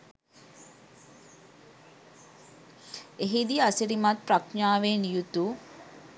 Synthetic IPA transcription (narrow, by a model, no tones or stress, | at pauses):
eɦid̪iasiɾimat̪̚prakɲaːʋenjut̪u